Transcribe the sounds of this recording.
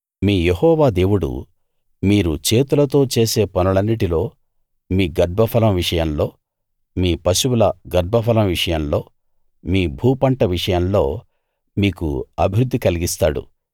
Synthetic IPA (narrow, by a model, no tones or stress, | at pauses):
miːjehɔːʋaːd̪e̞ːwuɽṵ | miːɾut͡ʃe̞ːt̪ulɐt̪o̞ːt͡ʃe̞ːse̞ːpɐnuɭɐnːiʈilo̞ː | miːɡɐɾbʱɐpʰɐlɐmʋiʂɐjɐlo̞ː | miːpɐʃuwulɐɡɐɾbʱɐpʰɐlɐmʋiʂɐjɐmlo̞ː | miːbʱuːpɐɳʈɐʋiʂɐjɐmlo̞ː | miːkṵɐbʱiɾud̪ːikɐliɡist̪aːɽṵ